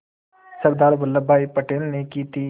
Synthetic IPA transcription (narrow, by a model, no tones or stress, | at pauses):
sɐɾd̪aːɾʋɐlːəbʱaːipəʈeːlnekit̪i